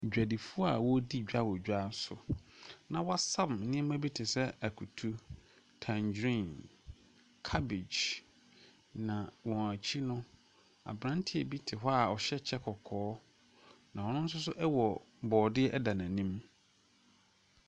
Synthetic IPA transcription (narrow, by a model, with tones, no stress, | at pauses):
d͡ʑᶣæ˨di˨fu˦a˦˨wɔ˦di˦˨d͡ʑᶣa˦wɔ˨d͡ʑᶣa˦˨sʊ̰˨nã˨wɔ˦sã˦m˨nɪ̃˦ɛ˦mã˦bi˦tʰɪ˨sɛ˦æ˨kʰu˨tʰu˦ | tʰã˨ɲd͡ʑɾĩ˦˨n | kʰa˦bɪ˨d͡ʑ | nã˨wɔ̃˨æ˨t͡ɕʰi˦nʊ̃˦ | a̰˨bɾã˦ntʰɪ˦˨bi˦tʰɪ˨ɦɔ˦a˨ɔ˨ɕɛ˦t͡ɕʰɛ˦kʰɔ˨kʰɔː˨˦ | nã˨wɔ˨nʊ̃˦n̩˦s̬ʊ˦s̬ʊ˦ʔɛ˦wɔ˨ | bɔː˨dɪ˦ɛ˦ʔɛ˦da˨nã˨nĩ˦m